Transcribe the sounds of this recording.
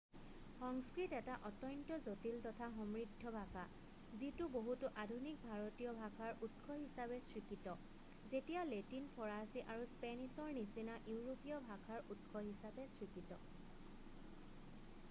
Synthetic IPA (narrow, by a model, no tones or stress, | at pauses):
xɔŋskɹitɛtaʔɔtɔjntɔzotiltɔtʰaxɔmɹidʱːɔbʱaka | zitʊboɦutʊʔadʱunik̚bʱaɹɔtijɔbʱakʰaɹʔutxʰɔɦisabɛsɹikitɔ | zetijaletinpʰɔɹasiʔaɹuspɛnisɔɹnisinaʔuwɹopijɔbʱakʰaɹutkʰɔɦisabɛsɹikitɔ̰